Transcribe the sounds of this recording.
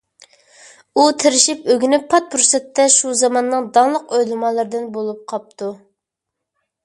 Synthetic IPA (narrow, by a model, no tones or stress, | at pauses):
ut̪ʰɪɾɪʃipøɡʲynɪpʰːɑt̪̚pʰɾsɛt̪ʰːɛʃuzɑmɑnːɨŋd̪ɑŋlˠəqøjlˠɨmɑlˠɨɾd̪ɪnbolˠup̚qʰɑp̚t̪ʰu